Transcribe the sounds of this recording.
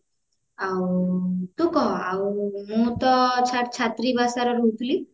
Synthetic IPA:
awt̪ukɔawmũt̪ɔt͡ʃʰaʈ̚t͡ʃʰat̪ɾibasaɾɔɾut̪ʰli

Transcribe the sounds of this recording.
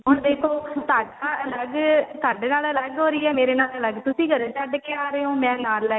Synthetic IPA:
ʊnd̪eːkʰoːt̪aːɖãːləɡt̪aːɖeːnaːlələɡɦoːɾəiːɛːmeːɾeːnaːlləɡt̪ʊsĩːɡəɾ̃ːt͡ʃəɖkeaːɾeõːmɛ̃ːnaːlːə

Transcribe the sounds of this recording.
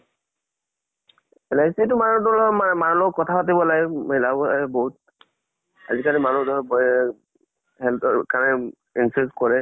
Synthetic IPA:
ɛlajsietʊmanudɔlɔmamanlɔkkɔtʰapatibɔlaɡɛɦilabɔboɦut̚ | a̰zikanimanudɔb | hɛltɔkanɛ | insɛskɔɹɛ

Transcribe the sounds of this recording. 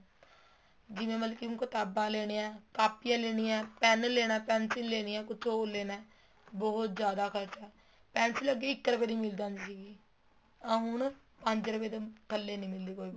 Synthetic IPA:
d͡ʒɪʋẽːməlkiːʊ̃kət̪aːbãːleːɽ̃eːɛ̃ːkaːpijãːleːɽ̃ijɛ̃ːpɛːnleːɽ̃aːpɛːnsɪnleːɽ̃iːɛ̃ːkʊt͡ʃʰoleːnɛː | bɔɦʊt̪d͡ʒjaːd̪aːkʰəɾt͡ʃɛː | pɛːnsɪləɡːeːɪkːɾəpeːd̪iːmɪld̪aːnd͡ʒsiːɡĩː | ɦʊn | pəɲd͡ʒɾəpeːd̪ekəlːeːnĩːmɪld̪iːkoːiː

